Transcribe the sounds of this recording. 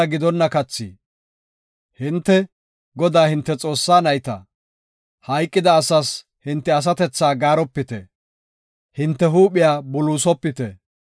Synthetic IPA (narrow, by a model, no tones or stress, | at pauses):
ɐɡɪd̪ɔnːɐkɐt͡sːḭː | hɪnt̪ːɛ | ɡɔd̪aːhɪnt̪ːɛt͡sʼo̞ːsːaːnɐjt̪ɐ̰ | hɐjkʼːɪd̪ɐːsɐs | hɪnt̪ːɛɐs̬ɐt̪ɛt͡sːaːɡaːɾɔpːɪt̪ɛ̰ | hɪnt̪ːɛɦuːpɪjaːbʊluːsɔpːɪt̪ɛ